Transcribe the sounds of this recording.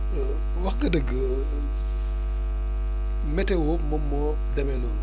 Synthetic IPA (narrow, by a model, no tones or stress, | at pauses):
wɐxɡɐdəɡːə | mɛtɛwomɔmːɔ | dɛmɛnɔːn